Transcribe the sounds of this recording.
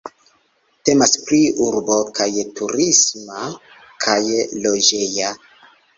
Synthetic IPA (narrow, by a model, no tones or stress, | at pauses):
te̞maspɾiuɾbo̞kʰajtuɾisma | kʰajlod͡ʒe̞ja